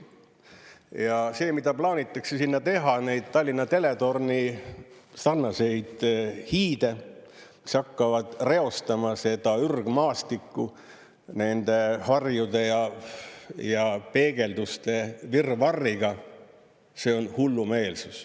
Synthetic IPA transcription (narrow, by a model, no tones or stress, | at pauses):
jɑse̞ːmid̪ɑplɑːnʲit̪ːˑɑksesinːɑt̪e̞ɦɑne̞jd̪̥̚t̪ːɑlʲːinːɑt̪e̞le̞t̪o̞rni | sɑrnɑse̞jd̪̥hiːd̪̥e̞ | mi̥sɑkːɑvɑd̪̥re̞o̞st̪ɑmɑse̞d̪ɑyrɡ̥mɑːst̪ikːu | ne̞nd̪̥e̞hɑrjud̪e̞jɑ | jɑpe̞ːɡ̥e̞ld̪ust̪e̞virvɑrːiɡ̥ɑ | se̞ːo̞nhulːume̞ːlsus